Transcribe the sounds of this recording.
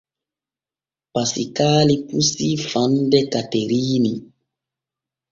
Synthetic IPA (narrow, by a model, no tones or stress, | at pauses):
pasikaːlipusifandɛkateɾiːni